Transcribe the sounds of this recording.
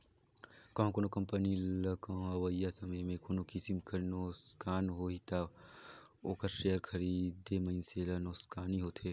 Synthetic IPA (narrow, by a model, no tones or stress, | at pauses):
kɐ̃ːɦõkonokɐ̃mpənilɐkɐ̃ɦɐʋəjːasɐməjmẽkonokisimkʰɐɾnoskʰaːnɦoɦit̪a | oːkəɾʃeːjəɾkʰɐɾiːd̪emɐnseːlɐnoːskaːniɦoːt̪ʰeː